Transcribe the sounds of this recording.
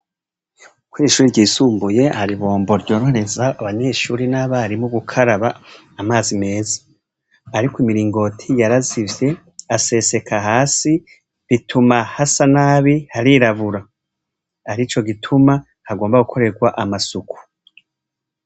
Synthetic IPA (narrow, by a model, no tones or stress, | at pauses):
kwiːʃuːɾiɾɟiːsuːmbuje̞haɾiβo̞ːmbo̞ɾɟo̞ːɾhoɾe̞zaaβaɲe̞ːʃuːɾinaβaɾimuɡukʰaɾaβaː | maːzime̞ːzḁː | ɾikoimiɾiːŋɡo̞tʰijaɾazivje̞ | ase̞se̞kʰaɦaːsi | βitʰumahasanaːβihaɾiɾavuɾa | aɾit͡ʃo̞ɡitʰuma | haɡoːmbaɡukʰo̞ɾe̞ɡwaʔamasuku̥